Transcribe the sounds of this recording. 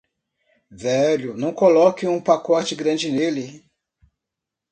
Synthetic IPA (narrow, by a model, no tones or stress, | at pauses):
vɛʎʊnɐ̃w̃kolɔkɪũpakɔt͡ʃɪɡɾɐ̃d͡ʒɪnelɪ